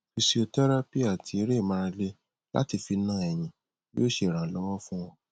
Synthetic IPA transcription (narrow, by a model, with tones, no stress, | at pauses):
fi˧si˧˨o˧tɛ˦ɾa˦pi˦a˦˨tʰi˧˦ɾe˦˨mã˧ɾã˧le˧ | la̰˦ti˧fi˧˦nãː˦˨ɛ˨j̃ĩ˨ | jo˦˨ʃe˧˨ɾ̃ã˨lɔ˨˦w̃ɔ̃˦fũ˦w̃ɔ̃˧